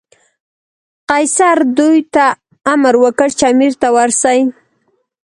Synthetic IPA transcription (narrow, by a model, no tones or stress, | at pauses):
qajsaɾd̪ujt̪a | amaɾwəkəɽt͡ʃɑmiɾt̪awaɾsaj